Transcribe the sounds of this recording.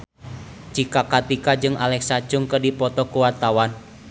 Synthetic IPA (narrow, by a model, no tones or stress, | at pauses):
t͡ʃikakat̪ikad͡ʒɨŋʔalɛksḁd͡ʒʊŋkədipɔt̪ɔkuwart̪awan